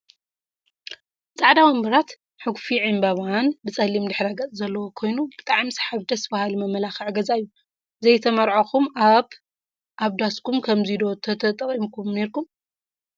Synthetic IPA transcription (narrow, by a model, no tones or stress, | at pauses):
sʼaʕd̪awɐmbɐɾat̪ | ħɨɡfiʕimbaβanbɨt͡sʼɐlimd̪ɨħɾaɡɐt͡sʼzɐlːɐwokʰo̞jnubɨt̪ʼaʕmsħaβd̪ɐsbahalimɐmːɐlaxiʕɨɡɐzaɨjːu | zɐjt̪ʰɐmɐɾʕoxumaβ | ʔaβd̪askʰumkʰɐmzid̪o̞t̪ʰɐt̪ʰɐt̪ʼɐχʼimkʰumne̞ɾkum